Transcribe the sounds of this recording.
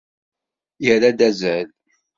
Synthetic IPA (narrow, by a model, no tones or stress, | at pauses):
jəɾad̪æzæl